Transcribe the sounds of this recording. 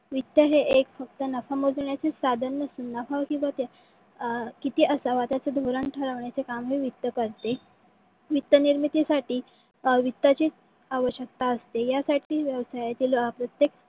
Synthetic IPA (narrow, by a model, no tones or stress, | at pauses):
ʋit̪jəɦeʔekfək̚t̪ənəfamod͡zɳjat͡sesad̪ʱənːəsunːafaʋkĩw̃ʋat̪a | kit̪iːʔəsaʋat̪at͡səd̪ʱoɾəɳʈʰəɾaʋɳjat͡sekamɦiːʋit̪ːəkəɾt̪e | ʋit̪ːəniɾmit̪isaʈiː | ʋit̪ːat͡ɕi | aʋəɕjək̚t̪aəst̪ejasaʈʰiːʋjəʋsajat̪iːlapɾət̪jek